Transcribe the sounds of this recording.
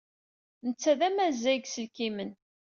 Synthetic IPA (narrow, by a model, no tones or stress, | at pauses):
nət͡sːæðæmæzːæɡsəlkimən